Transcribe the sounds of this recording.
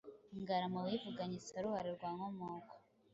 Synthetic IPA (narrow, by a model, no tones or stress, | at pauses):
ŋɡaɾamawivuɡaɲisaɾuhaɾiɾɡwaːŋomoːko̥